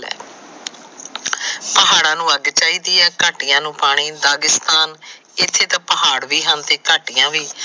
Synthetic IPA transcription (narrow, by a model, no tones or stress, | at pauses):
ɛ̰ː | pəɦaːɽãːnũːəɡt͡ʃaːiːd̪iːɛːkaːʈɪjãːnũːpaːɽ̃iːd̪aːɡɪst̪aːn | ɪt̪ʰːeːt̪ãːpəɦaːɽʋiːɦənt̪eːkaːʈijãːʋiː